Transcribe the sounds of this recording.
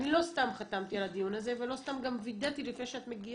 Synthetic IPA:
nilo̞st̪amχat̪amt̪ialad̪ijunaze̞ve̞lo̞st̪amɡamvid̪at̪ilifnejʃeat̪me̞ɡi

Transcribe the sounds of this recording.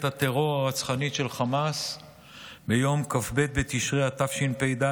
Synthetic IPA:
t̪at̪eʁo̞ʁaat͡sχanit̪ʃe̞lχamas | bejo̞mkafbe̞t̪̚bet̪iʃʁehat̪afʃinpejd̪a

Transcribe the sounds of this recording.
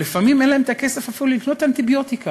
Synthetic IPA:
lifamimenlaemt̪ake̞se̞fafilulikno̞t̪ant̪ibjo̞t̪ika

